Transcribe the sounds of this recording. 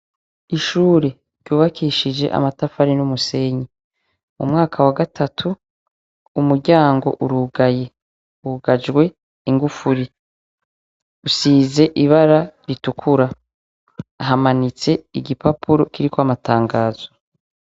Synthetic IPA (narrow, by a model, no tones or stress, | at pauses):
iʃuːɾe | ɾɟuːβakʰiʃid͡ʒe̞̰ʔa̰matafaɾinumuse̞ɲi | mumŋaːkʰawaɡatʰatʰuː | muɾɟaːŋɡo̞̰ʔuɾuɡaje̞ | uɡad͡ʒɡwe̞ | iŋɡufuɾi | usiːze̞ʔiβaɾaɾitukʰuɾa | ɦamanit͡se̞iɡipapʰuɾo̞kiɾikwamataːŋɡaːz̥o̞̥